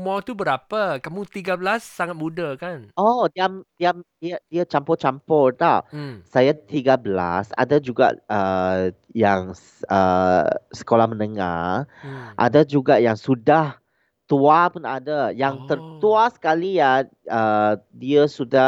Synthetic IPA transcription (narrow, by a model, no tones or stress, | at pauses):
mawt̪ubəɾapakamũt̪iɡabəlasːaŋat̪̚mudakanʔɔdiamdiamdiadiat͡ʃampɔt͡ʃampɔrt̪asajat̪iɡabəla̰sa̰dad͡ʒuɡa̰ʔʔə | jaŋ | ə | sə̥kolahmənəŋa̰ | ʔa̰dad͡ʒuɡaʔjaŋsudah | t̪uapunadajaŋt̪ərt̪uasə̥kalija | ədiəsuda